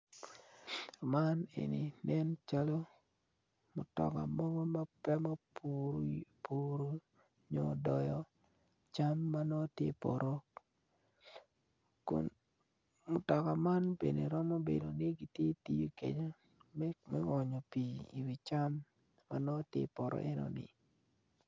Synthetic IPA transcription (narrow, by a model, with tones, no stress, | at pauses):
ma˦nḛ˨ni˨nɛ˦nt͡ʃa˦lo˦ | mʊ˨tɔ̰˨ka̰˨mɔ˦ɡɔ˦ma˦pɛ˦ma˦ | pʰu˦ɾo˦ | ɲɔ̰˨dɔ˨jɔ˨ | t͡ʃa˦mːa˦nɔ˦tjḛ˦pɔ̰˨ɾʔɔ˦k | kʊ̰˨n | mʊ˨tɔ˨ka˨ma˦nbḛ˨ne˨ɾɔ˦mo˦bḛ˨do˨nɪ˦ɡi˦tje˦ti˦jo˦kḛ˨ɲo˦ | mɛ˦ŋɔ˨ɲo˨pi˨ḭ˨wi˨t͡ʃa˦mː | a˦nɔ˦tjḛ˦pɔ˨ɾʔɔ̰˦ʔɛ˦nɔ̰˨nɪ̰˨